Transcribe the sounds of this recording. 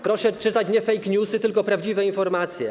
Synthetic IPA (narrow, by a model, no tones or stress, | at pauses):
pɾɔʂɛt͡ʂɘt̪at͡ɕɲɛfɛjkɲusɘt̪ɘlkɔpɾavd͡ʑivɛinfɔɾmat̪sʲjɛ